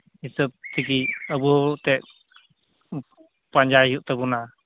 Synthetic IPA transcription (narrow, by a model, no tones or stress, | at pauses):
hisəp̚t̪ʰikiəbut̪ɛʔ̚ | paɲd͡ʒaɦuʔt̪əbuna